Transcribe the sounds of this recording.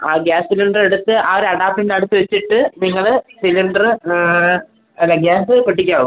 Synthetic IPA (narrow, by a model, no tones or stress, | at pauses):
aːɡaːssiliɳɖreɽut̪ːɨʔaːʋɐɾeɐɽaːp̚ʈindeɐɽut̪ːɨʋet͡ɕːiʈːɨniŋːɐɭsiliɳɖɐrɨ | leɡaːsɨpeʈ̬ːikʲːaːʋum